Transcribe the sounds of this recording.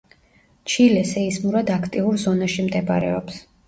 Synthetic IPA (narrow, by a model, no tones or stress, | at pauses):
t͡ʃʰilɛsɛismuɾad̪akʰt̪ʼiuɾzɔnaʃimd̪ɛba̰ɾɛ̰ɔ̰ps